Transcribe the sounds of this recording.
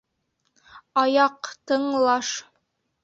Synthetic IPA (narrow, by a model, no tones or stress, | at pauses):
ɑjɑqt̪ɤ̆ɴlˠɑʃ